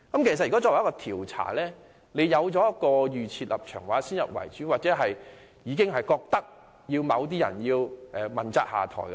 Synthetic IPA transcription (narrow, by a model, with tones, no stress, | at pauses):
kɐ˦˥mkʰe˨˩jsɐ˨t̚ːkːɔ˥ɔː˧wjkɔː˧t̪ʰiː˨˩wt͡sʰa̰ː˨˩lɛː˥ | le˨˧jjɐ˨˧wt͡sɔː˨˥jɐ˥kːɔː˧jyː˨t͡sʰiː˧t̚lɐ̰˨p̚t͡ʃʰœː˨˩ŋwaː˨˧siː˥njɐ˨p̚wɐ̰˨˩jt͡ʃyː˨˥waː˨t̚t͡sɛː˨˥ɦɐ˨j | jiː˨˧kɪ˥ŋɦɐ˨jkɔː˧k̚t̪ɐ˥k̚ | jiː˧wmɐ˨˧wt̪̬iː˥jɐ̰˨˩njiː˧wʔɛː˨mɐ˨˩nt͡saː˧˥ha̰ː˨t̪ʰɔ̰ː˨˩jk